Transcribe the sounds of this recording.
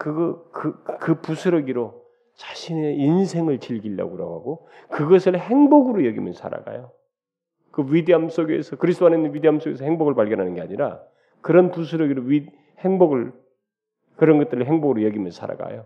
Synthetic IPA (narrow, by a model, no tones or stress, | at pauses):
kɯɡʌkɯkɯpusʰɯɾʌɡiɾo | t͡ɕḁɕʰineinsʰe̞ŋɯɭt͡ɕiʎɡiʎːa̰ɡoɾʌ̰ɡaɡo | kɯɡʌsʰɯɭheŋboɡɯɾojʌɡimjʌnsʰa̰ɾa̰ɡa̰jo | kɯɥideams͈oɡe̞̰sʰʌkɯɾisʰdoanenɯnwɥideamsoɡe̞sʰʌheŋboɡɯɭpaɭɡjʌnɦanɯnɡe̞aɲiɾa̰ | kɯɾʌnpusʰɯɾʌɡiɾoɥi | heŋboɡɯɭ | kɯɾʌnɡʌt͈̚ɯɾɯɭɦe̞ŋboɡɯɾojʌɡimjʌnsʰa̰ɾa̰ɡa̰jo